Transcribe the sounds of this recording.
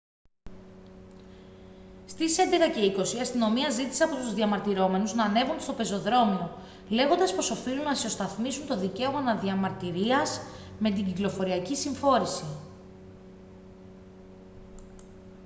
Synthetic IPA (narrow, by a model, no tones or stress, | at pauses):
st̪ise̞nd̪e̞kɐce̞iko̞siɐst̪ino̞miɐzit̪i̥sɐpot̪uzðiɐmɐɾt̪iɾo̞me̞nuznɐːne̞vund̪est̪o̞pe̞zo̞ðɾo̞mio̞ | le̞ɣo̞nd̪ɐspo̞so̞filunnɐsio̞st̪ɐθmisunt̪o̞ðice̞o̞mɐnɐðiɐmɐɾt̪iɾiɐzme̞t̪̬iɟiklo̞fo̞ɾiɐcisiɱfo̞ɾisi